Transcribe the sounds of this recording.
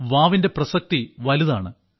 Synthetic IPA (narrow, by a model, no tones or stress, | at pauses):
ʋaːʋinde̞prɐsɐk̚t̪iʋɐliða̰ːɳɨ